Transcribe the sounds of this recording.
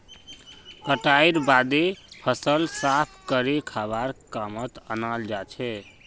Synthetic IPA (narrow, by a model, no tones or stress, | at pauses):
kəʈajɾbad̪epʰəsəlsapʰkəɾekʰaβaɾkamət̪ə̰nald͡ʒat͡ʃʰɛ